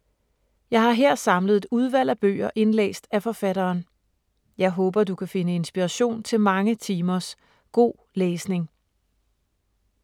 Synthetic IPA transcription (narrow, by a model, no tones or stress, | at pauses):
jɑ̈ɪhɑ̈ɦeɐ̰sɑ̈mləð̩ˠe̝d̥uð̞ˠʋæl̰æb̥ø̰ːɐʔe̝nlḛːsd̥æfɒ̽fæɾɐːn | jɑ̈ɪɦɔ̽ːb̥ɐd̥ukʰæfe̝nəe̝nsb̥iʁɑɕo̝̰ːnt͡sʰe̝lmɑ̈ŋət͡sʰiːmɐs | ɡ̥o̝̰ː | leːsne̝ŋ